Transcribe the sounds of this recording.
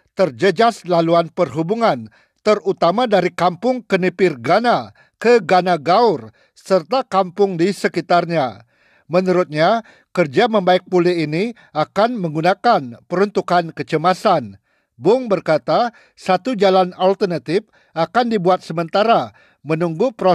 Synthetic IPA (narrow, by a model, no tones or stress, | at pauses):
t̪ərd͡ʒəd͡ʒaslaluanpərɦubuŋan | t̪ərut̪amadaɾikampʊŋkənipɪrɡana | kəɡanaɡaur | sərt̪akampʊŋdisəkit̪arɲa | mənuɾʊt̪̚ɲa | kərd͡ʒaməmbaɪk̚puliini | akanməŋɡunakanpəɾunt̪ukankət͡ʃəmasan | bʊŋbərkat̪a | sat̪ud͡ʒalanalt̪ərnat̪ɪf | ʔakandibuat̪̚səmənt̪aɾa | mənuŋɡupɾo